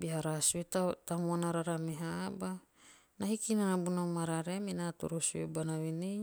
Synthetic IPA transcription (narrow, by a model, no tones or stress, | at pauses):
biɦaɾasuet̪at̪amuanaɾaɾameɦaba | naɦikinanabunamaɾaɾeaminat̪ṵɾosuebanaβine